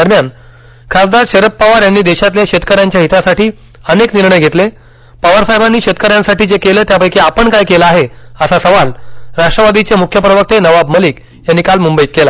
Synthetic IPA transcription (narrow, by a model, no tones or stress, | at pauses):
d̪əɾmjan | kʰasd̪aɾɕeɾəpːaʋaɾjanːiːd̪eɕat̪ljaɕet̪̚kəɾjaɲt͡ɕjaɦit̪asaʈiː | ənekniɾɳəjɡʱet̪le | pəʋaɾsaɦebanːiːɕet̪̚kəɾjãnsaʈiːd͡zekeləːt̪japəjkiapəɳkajkelaaɦeəsasəʋalɾaʂʈɾəʋad̪it͡semukʰjəpɾəʋək̚t̪enəʋabməliːk | janːikalmumbəjikːela